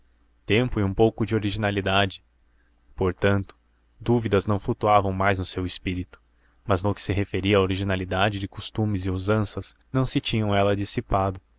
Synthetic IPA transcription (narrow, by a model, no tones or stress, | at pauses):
t̪ẽmpʊɪũpowkʊd͡ʒɪoɾiʒinalid̪ad͡ʒɪ | poɾt̪ɐ̃nt̪ʊ̥ | d̪uvid̪ɐznɐ̃w̃flut̪uavɐ̃w̃majznʊsewɪspiɾit̪ʊ̥ | mɐznʊkɪ̥sɪɦefeɾiɐaːoɾiʒinalid̪ad͡ʒɪd͡ʒɪkost̪ũmɪzɪozɐ̃sɐznɐ̃w̃sɪt͡ʃĩɲɐ̃w̃ɛlɐd͡ʒisipad̪ʊ